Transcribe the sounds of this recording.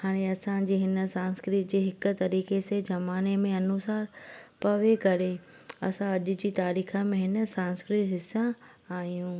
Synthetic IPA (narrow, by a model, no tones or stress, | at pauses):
haːɽ̃eɐsãd͡ʑeːɦɪnə̆sãːnskɾɪt̪d͡ʑeːɦɪkt̪ɐɾiːxesezɐmaːnemẽɐnʊsaːɾpɐʋekɐɾe | ɐ̰sãɐʄʊ̆d͡ʑiːt̪aːɾiːxəmẽɦɪnə̆sãːnskɾɪt̪ɦɪsã | aːijũː